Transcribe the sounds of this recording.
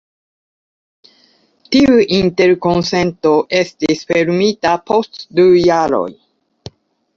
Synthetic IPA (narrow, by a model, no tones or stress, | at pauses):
tiuʔinte̞ɾkonse̞nto̞ʔe̞stisfe̞ɾmitapo̞stdujaɾo̞̰j